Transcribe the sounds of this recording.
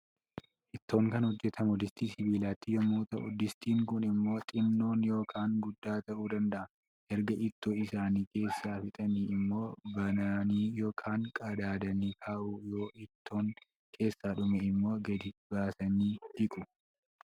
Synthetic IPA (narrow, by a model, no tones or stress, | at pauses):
ʔɪt̪ːo̞ːŋkɐnhɔd͡ʒːɛt̪ʰɐmʊd̪ɪst̪iːsɪbiːlaːt̪ːɪjɔmːoːt̪ɐʔʊd̪ɪst̪iːŋkʊnɪmːo̞ːt̪ʼɪnːo̞ːnjo̞ːkʰaːŋɡʊd̪ːaːt̪ɐʔuːd̪ɐnd̪ɐʔɐn | ʔɛɾɡɐʔɪt̪ːoːɪsaːniːke̞ːsːaːfɪt̪ʼɐniːɪmːo̞ːbɐnaːniːjo̞ːkʰaːŋkʼɐd̪aːd̪ɐniːkʰaːʔujo̞ːʔɪt̪ʰːo̞ːŋ | kʰe̞ːsːaːᶑʊmɛɪmːo̞ːɡɐd̪ɪbaːsɐniːd̪ɪkʼʊ